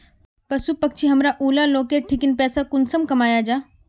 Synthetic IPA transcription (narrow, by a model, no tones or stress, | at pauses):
pɐsupɐk̚t͡ʃʰiɦɐmɾaʔuːlaloːkeʈʰɪkɪnpɛːsakʊnsəmkɐmaːjad͡ʒaː